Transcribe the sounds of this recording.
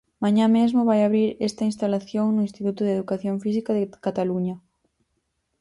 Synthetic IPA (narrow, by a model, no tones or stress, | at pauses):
mãɲãmezmoβajaβ̞ɾiɾest̪ainst̪alaθjoŋnʊĩnst̪it̪ut̪uðeðukaθjoɱfisikaðekat̪aluɲa